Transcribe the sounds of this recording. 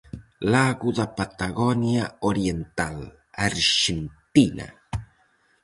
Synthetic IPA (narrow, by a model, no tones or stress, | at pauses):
laɣuðapat̪aɣonjaoɾjent̪al | aɾʃent̪ina̰